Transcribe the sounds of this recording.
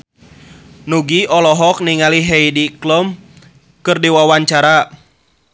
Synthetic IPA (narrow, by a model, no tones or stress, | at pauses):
nuɡiɔlɔɦɔk̚niŋaliɦɛjdiklɔm | kɨrdiwawaɲt͡ʃaɾa